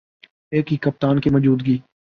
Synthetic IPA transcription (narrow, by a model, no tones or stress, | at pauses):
eːkɦikɐp̚t̪aːnkemɔd͡ʒuːd̪ɡiː